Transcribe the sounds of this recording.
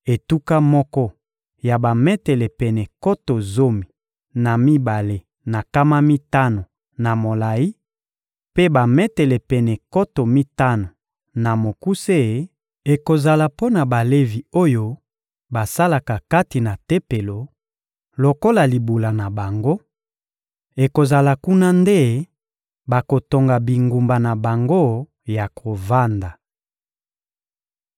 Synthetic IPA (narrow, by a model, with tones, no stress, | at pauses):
e˨tu˦ka˦mɔ˦kɔ˦ | ja˨ba˨mɛ˦tɛ˨lɛ˨pɛ˨nɛ˨ko˦to˨zo˦mi˨ | na˨mi˦ba˨le˦ | na˨ka˦ma˦mi˦ta˦no˨ | na˨mo˨la˨i˦ | pe˦ba˨mɛ˦tɛ˨lɛ˨pɛ˨nɛ˨ko˦to˨mi˦ta˦no˨ | na˨mo˨ku˦se˦˨˦ | e˨ko˨za˨la˨po˦na˨ba˨le˦vi˨o˦jo˦ | ba˨sa˦la˨ka˨ka˦ti˨na˨te˦pe˨lo˨ | lo˨ko˦la˨li˨bu˨la˨na˨ba˨ŋɡo˦ | e˨ko˨za˨la˨ku˦na˦nde˦ | ba˨ko˨to˨ŋɡa˨bi˨ŋɡu˨mba˨na˨ba˨ŋɡo˦ | ja˨kʰo˨va˦nda˨